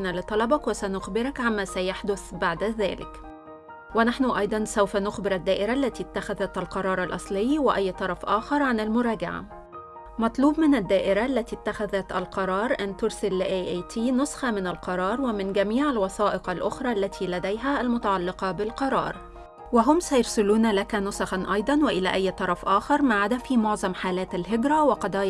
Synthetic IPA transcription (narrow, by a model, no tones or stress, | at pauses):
nalɪt̪ˤɑlɑbɑkwɪsænʊxbɪɾɑkʕamːæːsæjaħd̪ʊθbaʕd̪ðæːlɪ̰k | wɪnaħnʊʔɑjd̪ˤɑnsawfænʊxbɪɾad̪ːæːʔɪɾaʔlːæt̪it̪ːaxæðæt̪lqɑɾˤɑːɾˤɑlʔɑ̰sˤlɪjːwɪʔæjːt̪ˤɑɾˤɑfʔɑːxɑɾˤʕanalmʊɾˤɑːɡa̰ʕa̰ | mɑt̪ˤluːbmɪnad̪ːaːʔɪɾaʔlːæt̪it̪ːaxæðæt̪alqɑɾˤɑːɾˤʔant̪ʊɾsɪlːɪʔeːʔjt̪ʰiːnʊsˤxɑmɪnalqɑɾˤɑːɾˤwɪmɪnɡæmiːʕalwɑθɑːʔɪqalʔʊxɾˤɑːʔlːæt̪ʰiːlæd̪æjɦæʔːlmʊt̪ɑʕɑlːɪqɑbɪlqɑɾˤɑ̰ːɾˤ | wɪɦʊmsæjɑɾˤsɪluːnlækænʊsɑxɑnʔɑjd̪ˤɑnwɪʔɪlæ̰ːʔæjːt̪ˤɑɾˤɑfʔaːxɑɾˤmaʕad̪æfimʊʕzˤɑmħaːlæːt̪alɦɪɡɾæwɪqɑd̪ˤɑːj